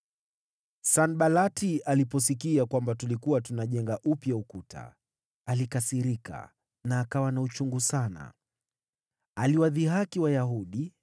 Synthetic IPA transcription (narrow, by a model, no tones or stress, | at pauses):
sanɓalatialipɔs̬ikiakwambatulikuwatunaʄɛŋɡaʔupjaukuta̰ː | likasiɾika̰ | naːkawanaut͡ʃuŋɡusana̰ | aliwaðiɦakiwajaɦuɗi